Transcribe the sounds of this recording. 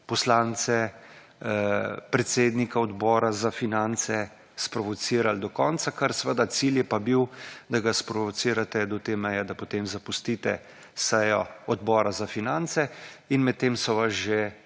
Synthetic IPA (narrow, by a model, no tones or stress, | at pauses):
pɔslaːnt̪sɛ | pɾɛt̪seːd̪nikaɔd̪bɔːɾazafinant̪sɛ | spɾɔʋɔt̪siːɾald̪ɔkɔnt̪sakəɾsəʋəd̪at̪siljɛpabiwd̪aɡaspɾɔʋɔt̪siːɾat̪ɛd̪ɔt̪eːmɛjɛd̪apot̪emzapust̪iːt̪ɛ̰ | sɛjɔɔd̪bɔːɾazafinant̪sɛinmɛt̪ːeːmsɔʋazʒe